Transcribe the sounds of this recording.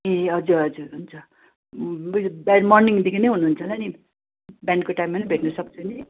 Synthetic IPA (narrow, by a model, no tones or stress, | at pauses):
ẽɦʌd͡zuɾɦʌd͡zuɾɦunt͡sʰʌ | baɖmʌrniŋd̪ikʰinejɦunuɦːnt͡sʰʌnani | bankoʈajmʌnibʱeʈnusʌkt͡sʰuni